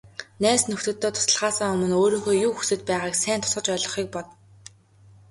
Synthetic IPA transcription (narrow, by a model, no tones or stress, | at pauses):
næːsnɵxt̪ɵ̆t̪ʰːeːt̪ʰʊ̥sə̆ɮʁaːsəŋɵmɵ̆noːɾiːŋxoːjuːxu̥sɘ̆t̪̚pæːʁaːksæːnt̪ʰʊ̥sə̆t͡ɕœɮɞ̆χiːk̚pɔt̪